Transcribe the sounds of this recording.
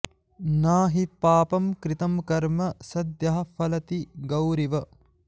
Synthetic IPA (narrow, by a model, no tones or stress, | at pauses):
naːɦipaːpɐmkɾit̪ɐmkɐɾmɐsɐd̪jɐɦɐfʰɐlɐt̪iɡɐwɾiʋɐ